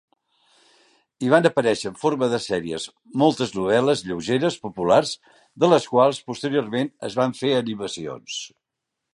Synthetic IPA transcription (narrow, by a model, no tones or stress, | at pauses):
iβanəpəɾɛʃəːɱfoɾməðəsɛɾiəz | molˠt̪əznuβ̞ɛləzʎəwʒeɾəspupularz | ðələskwalˠspust̪əɾiormenə̰zβaɱfeəniməsio̰ns